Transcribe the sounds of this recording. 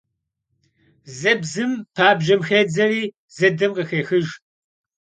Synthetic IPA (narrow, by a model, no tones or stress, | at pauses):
zɐbzɨmpʰaːbʒɐmxeːd͡zɐriː | zɐdɐmqɐxeːxɨʒ